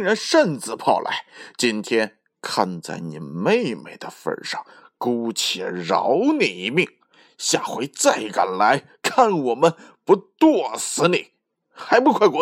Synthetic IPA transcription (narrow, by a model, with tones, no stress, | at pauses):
ŋɻa˧˥nʂə˥˧nt͡sɹ̩˧˩pʰɑ˥˩ʊlʔa̰˧˥ɪt͡ɕi˥nt̪ʰjɛ˥n | kʰa˥˧nt͡sa̰˥˩ɪni˨˩me˥˧ɪme˧˩ɪd̪ə˩fə̰˧ʂɑ̰˥˩ŋ | ku˥t͡ɕʰɛ̰˨˩ɻɑ̰˧˥ʊni˨˩i˧˥mi˥˩ŋ | ɕja˥˩xwe˧˥ɪt͡sa˥˩ɪka˨˩nla˧˥ɪ | kʰa˥˩nwɔ˨˩mə˦n | pu˧˥t̪wɔ˥˩sɹ̩˧˥ni˨˩˦ | xa˧˥ɪpu˧˥kʰwa˥˩kwɔ˧˥